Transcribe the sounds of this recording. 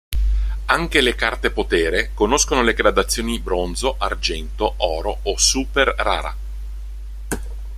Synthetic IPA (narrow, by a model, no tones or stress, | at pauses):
aŋk̟elekart̪epot̪ɛːɾekonoskonoleɡɾad̪at̪sːjoːnibɾond̪zoʔard͡ʒɛnt̪oʔɔːɾoosuperːa̰ːɾa̰